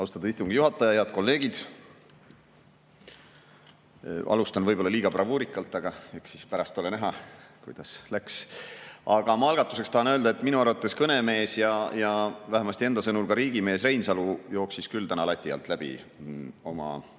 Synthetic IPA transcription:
ɑwst̪ɑd̪ɑ̥ist̪uŋɡ̥ijuɦɑt̪ːˑɑjɑjɑt̪̚ko̞lːe̞ːɡid̪̥ | ʔɑ̰lust̪ɑnvɤjbo̞lːɑliːɡ̥ɑprɑvuːɾikːˑɑlt̪ːˑɑɡ̥ɑeksispæɾɑst̪ːo̞lenæɦɑkujd̪̥ɑslæks | ɑɡ̥ɑmɑɑlɡ̥ɑt̪ːˑu̥se̞kst̪ɑhɑnøld̪ɑe̞t̪ːˑminuɑɾut̪ːˑeskɤne̞me̞ːsjɑjɑvæɦemɑst̪ie̞nd̪ɑsɤnulkɑɾiːɡ̥ime̞ːsre̞jnsɑlujo̞ːksiskylt̪ænɑlɑt̪ʲːˑiɑ̰lt̪ˑlæb̥ḭ | o̞mɑ̰

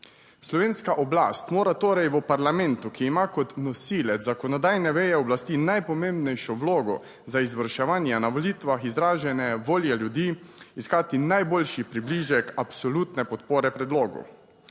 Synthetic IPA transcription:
slɔʋeːnskaʔɔblaːst̪moːɾat̪oːɾɛjʋəpaɾlamɛnt̪ukiːmaːkɔt̪nɔsiːlɛzakɔnɔd̪aːjnɛʋɛjɛɔblast̪iːnajpɔmẽmbnɛjʃɔʋloːɡɔ̰ | zaizʋəɾʃɛʋaːnjanaʋolit̪ʋaxizɾaːʒɛnɛʋoːljɛljud̪iːskaːt̪inajboːlʃipɾibliːʒjɛkapsɔlut̪nɛpɔt̪poːɾɛpɾɛd̪loːɡɔ̰

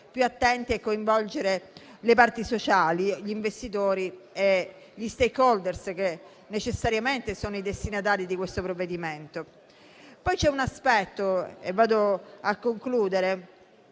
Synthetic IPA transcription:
pjuat̪ːɛnt̪iɛkːoiɱvɔld͡ʒeɾelepart̪isot͡ʃaːliʎiːɱvest̪it̪oːɾie | ʎist̪ekːɔld̪ersk̟e | nːet͡ʃesːaɾjament̪esoːnoid̪est̪inat̪̬aːɾid̪ikwest̪opɾovːed̪iment̪o | pɔjt͡ʃɛunaspɛt̪ːoḛvːaːd̪oakːoŋkluːd̪eɾe

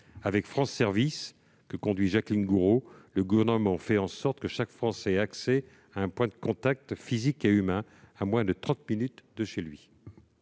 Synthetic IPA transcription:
avɛkfχɑ̃sɛʁvis | kəkɔ̃d̪ɥiʒaklinɡuʁoləɡuvɛʁnəmɑ̃fɛɑ̃sɔʁt̪kəʃakfχɑ̃sɛaksɛ | aɛ̃pwɛ̃d̪əkɔ̃t̪ak̚t̪fizikeymɛ̃ | amwɛ̃d̪ət̪χɑ̃t̪minyt̪d̪əʃelɥi

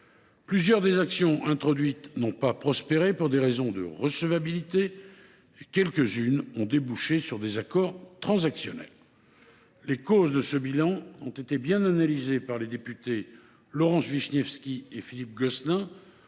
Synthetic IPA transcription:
plyzjœʁd̪ezaksjɔ̃ʔɛ̃t̪χɔd̪ɥit̪nɔ̃papχɔspeʁepuʁd̪eʁezɔ̃d̪ə̰ʁəsəvabilit̪eː | kʲɛlkəzynɔ̃d̪ebuʃesyʁd̪ezakɔʁt̪χɑ̃zaksjɔnɛ̰lː | ekozd̪əsəbilɑ̃ɔ̃t̪et̪ebjɛ̃nanalizepaʁled̪epyt̪e | lɔʁɑ̃sviʃnɛfskʲiefilip̚ɡɔsnɛ̃

